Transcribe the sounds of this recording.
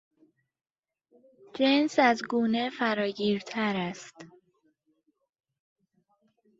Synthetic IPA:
d͡ʒensæzɡuːne̞fæɾɒːɟiːɾt̪ʰæɾæst̪

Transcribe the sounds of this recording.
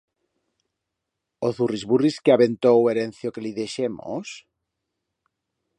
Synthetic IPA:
oθurizβuriskeaβent̪oweɾen̟θjokeliðeʃemo̰s

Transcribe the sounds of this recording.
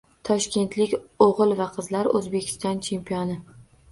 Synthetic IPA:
t̪ʰɒʃkʲe̞nt̪ʰlɪkʲoʁɨlˠvaqʰɨzlaɾɵzbe̞kʲʰɪ̥st̪ɒnt͡ʃʰe̞mpʰijɒnɪ

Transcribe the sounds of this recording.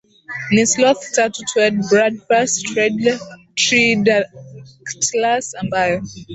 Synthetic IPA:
nislɔθtatutʰwɛdbɹad̚bastɹɛdlɛtʰɹi | ktlasãnbaɪ

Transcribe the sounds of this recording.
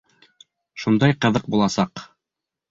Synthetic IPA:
ʃund̪ɑjqɤ̆ðɤq̚bulˠɑsɑq

